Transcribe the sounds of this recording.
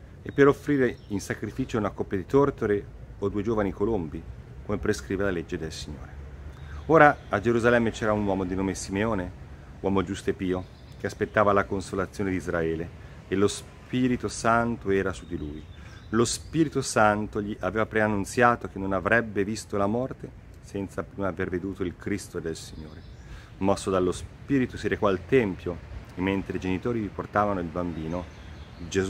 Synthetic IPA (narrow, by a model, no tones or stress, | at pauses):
epːeɾofɾiːɾeinsakɾifiːt͡ʃounakopːjad̪it̪ort̪oɾe | od̪uːed͡ʒoːvanikolombikomepɾeskɾiːvelaled͡ʒːed̪elsiɲːo̰ːɾe | oːɾaːd͡ʒeɾuzalɛmːet͡ʃɛːɾaunwɔːmod̪inoːmesimeoːne | wɔːmod͡ʒust̪oepiːo | k̟easpet̪ːaːvalakonsolat̪sːjoːned̪izraɛːle | elos | piːɾit̪osant̪oɛːɾasud̪iluːjlospiːɾit̪osant̪oʎiʔavɛːvapɾeanːunt̪sjaːt̪ok̟enːonavɾɛbːevist̪olamɔrt̪e | sɛnt̪sapɾimaːverved̪uːt̪oilkɾist̪od̪elsiɲːoːɾe | mɔsːod̪alːospiːɾit̪osiɾekɔalt̪ɛmpjoemːent̪ɾeid͡ʒenit̪oːɾiiport̪aːvanoilbambiːno | d͡ʒezu